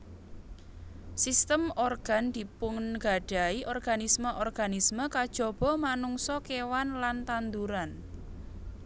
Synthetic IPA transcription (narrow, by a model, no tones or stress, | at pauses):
sist̪əmɔrɡ̥a̤nd̪̥i̤pʊŋnɡ̥a̤ɖ̥a̤iʔɔrɡ̥anisməʔɔrɡ̥anisməkad̥ʒ̥ɔ̤b̥ɔ̤manuŋsɔkewanlant̪and̪uɾan